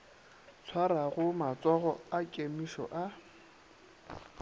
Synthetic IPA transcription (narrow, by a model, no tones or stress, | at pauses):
t͡sʰwaraɣʊmat͡sʼɔɣɔakʼemiʃɔ̰ʔa